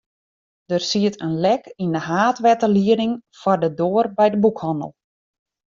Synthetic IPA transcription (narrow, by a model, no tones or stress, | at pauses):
d̥ərsiətənlɛkindəɦaːtʋɛtəliədɪŋfɔrdədoːərbɛjdəbukhɔnə̰lˠ